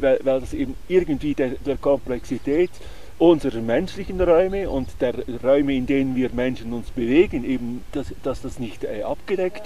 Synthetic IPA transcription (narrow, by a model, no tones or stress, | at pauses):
vaɪlvaɪldɑsʔeːbn̩ɪɾɡəntv̥iːdeːd̥eːkʰɔmplɛksitʰɛːt | ʔʊnzəɾəmɛnʃlɪçənʁɔʏməʊntd̥eːʁʁɔʏməɪndeːnənviːɐmɛnʃənʊnsb̥əveːɡəneːbn̩d̥asd̥ɑsd̥ɑsnɪçtɛːʔɑpɡ̥ədɛkt